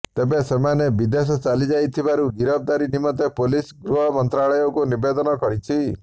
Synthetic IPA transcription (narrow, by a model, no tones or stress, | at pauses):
t̪ebesemanebid̪es̬ɔt͡ʃalid͡ʒajt̪ʰibaɾuɡiɾɔb̚d̪aɾinimɔt̪̬epolisɡɾuɦɔmɔnt̪ɾaɭɔjɔkunibed̪ɔnɔkɔɾit͡ʃʰi